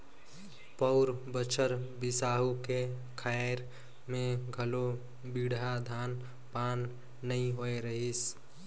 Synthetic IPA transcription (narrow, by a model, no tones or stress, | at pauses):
pəʊɾbət͡ʃʰəɾbɪsaːɦuke | kʰaɾ | mẽɡʱəlo | biɽad̪ʱaːn | paːnː | əĩɦoeɾəɦis